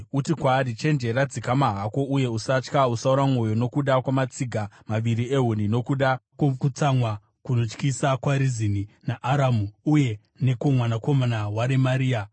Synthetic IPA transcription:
utikwaːɾit͡ʃe̞nd͡ʒe̞ɾad͡zikamaɦako̞uje̞usat͡ʃkausauɾamŋo̞jo̞no̞kuɗakwamat͡siɡʱamaʋiɾie̞ɦunino̞kuɗakokut͡samwa | kuno̞t͡ʃkisakwaɾizininaʔːɾamuuje̞ | ne̞komwanako̞manawaɾemaɾiːa

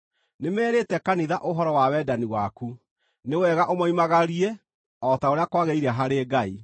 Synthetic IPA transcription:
nemɛːɾetɛkaniðaʔoɦɔɾɔwawɛdaniwaku | newɛɣaʔomɔimaɣaɾiɛ | ɔtaoɾeakwaɣeiɾaɦaɾeːɡai

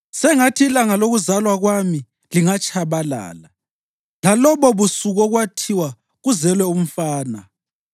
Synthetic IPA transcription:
sɛŋatʰiːlaŋaloɣuzalwaɣwami | liŋat͡ʃʼʰaβala̰ːla | lalɔβɔβusuɣɔɣwatʰiwa | ɣuzɛlwɛum̩faːna

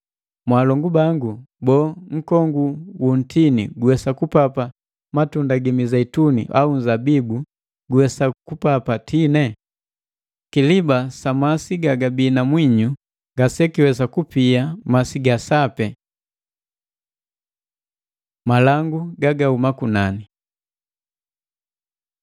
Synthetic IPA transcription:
mwalɔŋɡubaŋɡu | bɔŋ̩kɔŋɡuwun̩tʰinḭɡuwɛsakupapa | matundaɡimizaitunḭʔaun̩zabibu | ɡuwɛsakupapatʰinɛ | kilibasamasiɡaɡabiːnamwiɲu | ŋɡasɛkiwɛsakupiamasiɡasapɛ | malaŋɡuɡaɡaumakunani

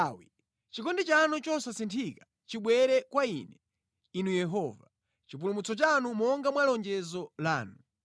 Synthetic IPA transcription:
wi | t͡ʃikɔndit͡ʃanut͡ʃɔsasintʰikḁ | t͡ʃiɓwɛɾɛkwaḭnɛ | inujɛɦɔva | t͡ʃip̬ulumut͡sɔt͡ʃanumɔŋɡamwalɔnd͡ʒɛzɔla̰ːnu

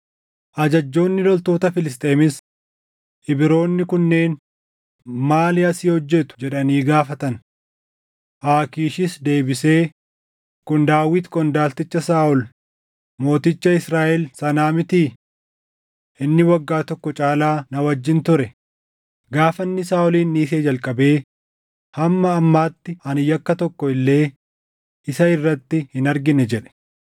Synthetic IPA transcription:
ʔɐd͡ʒɐd͡ʒːo̞ːnːɪlɔlt̪o̞ːt̪ɐfɪlɪs̬t̪ʼeːmɪs | ʔɪbɪɾo̞ːnːɪkʊnːe̞ːn | maːlɪɐsiːhɔd͡ʒːɛt̪ʊ̥d͡ʒɛᶑɐniːɡaːfɐt̪ɐn | ʔaːkiːʃɪsd̪e̞ːbɪse̞ː | kʊnd̪aːwɪt̪kʼɔnd̪aːlt̪ɪt͡ʃːɐsaːʔʊl | mo̞ːt̪ɪt͡ʃːɐɪsɾaːʔɛlsɐnaːmɪt̪iː | ʔɪnːɪwɐɡːaːt̪ɔkːɔt͡ʃʼaːlaːnɐwɐd͡ʒːɪnt̪ʊɾɛ | ɡaːfɐnːɪsaːʔʊliːnːiːs̬eːd͡ʒɐlkʼɐbe̞ː | hɐmːɐːmːaːt̪ːɪʔɐnɪjːɐkːɐt̪ɔkːɔɪlːe̞ː | ʔɪsɐɪrːɐt̪ːɪhɪnɐɾɡɪnɛd͡ʒɛᶑɛ̥

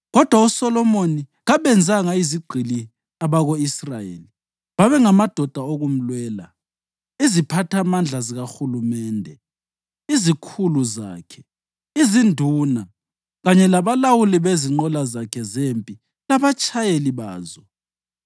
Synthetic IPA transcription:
ɣɔd̥ʱwausɔlɔmoniɣaβɛnd͡zʱaŋaiziɡ͡ǃʱili | aβaɣoisrajḛli | βaβɛŋamad̥ʱɔd̥ʱaoɣum̩lwɛːla̰ | izipʰatʰamand͡ɮʱaziɣaxulumɛːndʱɛ | izikʰuluza̰ːkʰɛ | izindʱuːna | ɣaɲɛlaβalawuliβeziŋ͡ǃɔlazakʰɛzempʼi | laβat͡ʃʼajeliβaːzɔ

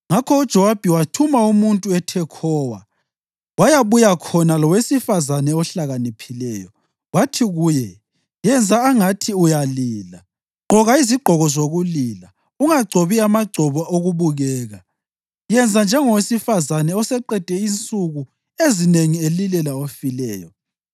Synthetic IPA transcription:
ŋakʰɔud̥ʒ̥ʱɔwab̥ʱiwatʰumaumuntʼuɛtʰɛkʰɔːwa̰ | wajaβujakʰɔnalɔwesifazanɛɔɬaɣanipʰilɛːjɔ | watʰiɣuːjɛ | jɛnd͡zʱaːŋatʰiujaliːla | ɡ͡ǃʱɔɣaiziɡ͡ǃʱɔɣɔzoɣulila | uŋaɡ͡ǀʱoβiamaɡ͡ǀʱɔβɔʔoɣuβuɣɛːɣa | jɛnd͡zʱand͡ʒʱɛŋɔwesifazanɛɔsɛǃɛd̥ʱɛint͡sʼuɣu | ezineŋielilɛlaofilɛːjɔ

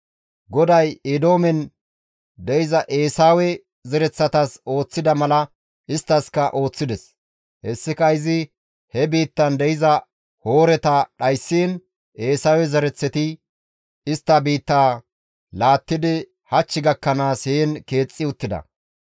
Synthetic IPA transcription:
ɡɔd̪ɐjed̪o̞ːmɛn | d̪ɛjɪzɐʔeːsaːwɛ | zɛɾɛt͡sːɐt̪ɐso̞ːt͡sːɪd̪ɐmɐlɐ | ʔɪst̪ːɐskɐʔo̞ːt͡sːɪd̪ɛs | hɛsːɪkɐɪzɪ | hɛbiːt̪ːɐnd̪ɛjɪzɐ | ho̞ːɾɛt̪ɐɗɐjsːiːn | ʔe̞ːsaːwɛzɛɾɛt͡sːɛt̪ɪ | ɪst̪ːɐbiːt̪ːaː | laːt̪ːɪd̪ɪ | hɐt͡ʃːɪɡɐkːɐnaːsheːnke̞ːt͡sʼːɪʊt̪ːɪd̪ɐ̰

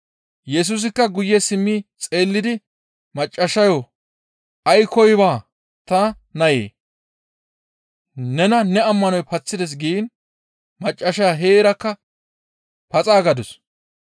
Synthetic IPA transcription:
jɛs̬us̬ɪkːɐɡʊjːɛsɪmːiːt͡sʼe̞ːlːɪd̪ɪ | mɐt͡ʃʼːɐʃɐjo | ʔɐjkʰɔjbaː | t̪ɐ | nɐjḛː | nɛnɐnɛɐmːɐnɔjpɐt͡sːɪd̪ɛs̬ɡiːn | mɐt͡ʃʼːɐʃaːɦeːɾɐkːɐ | pɐt͡sʼaːɡɐd̪ɔs

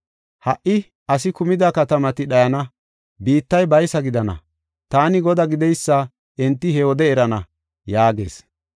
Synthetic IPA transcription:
hɐʔːɪ | ʔɐs̬ɪkʊmɪd̪akɐt̪ɐmɐt̪ɪɗɐjɐnɐ | biːt̪ːɐjbɐjsɐɡɪd̪ɐnɐ̰ | t̪aːnɪɡɔd̪ɐɡɪd̪ɛjsːɐ | ʔɛnt̪ːɪhɛɔd̪ɛːɾɐnɐ | jaːɡḛːs

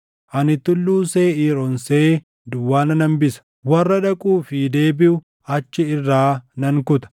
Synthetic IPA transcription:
ʔɐnɪt̪ːʊlːuːseːiːɾɔnseː | d̪ʊwːaːnɐnɐmbɪsɐ̥ | wɐrːɐᶑɐkʼuːfɪd̪e̞ːbɪʔʊ | ɐt͡ʃːɪɪrːaːnɐŋkʊt̪ɐ̥

